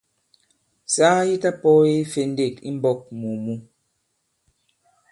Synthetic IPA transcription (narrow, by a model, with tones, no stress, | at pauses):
saː˦ji˦ta˦pɔ˦i˦fe˨n˦de˦˨kḭ˦m̩˦bɔ˦˨k̚mu˨mu˦